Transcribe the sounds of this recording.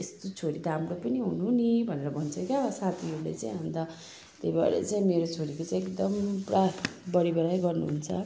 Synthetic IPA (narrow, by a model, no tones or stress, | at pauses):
est̪ot͡sʰoɾid̪amɾopʌniɦunuɦunibʱʌneɾʌbʱʌnt͡sʰʌkasat̪ʰioɾlḛt͡saĩɦãnd̪a | t̪ejba̰ɾḛt͡saĩmeɾot͡sʰoɾikot͡sãj̃ek̚d̪ʌmprabʌɽibʌɽajɡʌrnuɦunt͡sʰʌ